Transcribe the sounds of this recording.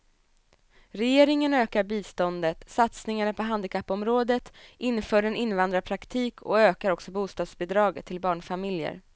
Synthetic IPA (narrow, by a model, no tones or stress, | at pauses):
ɾɛjeːɾɪŋənøːkaɾbiːst̪ɔnd̪ət̪sat̪snɪŋaɳapʰɔɦand̪ɪkʰapːɔmɾoːd̪ət̪ʔɪnːfœːɖɛnɪnːvand̪ɾapʰɾakt̪ʰiːkʰɔ̰øːkaɾɔksɔbuːst̪ɑːd̪sbɛd̪ɾɑːɡət̪ʰːɪlbɑːɳfamɪljə̰ɾ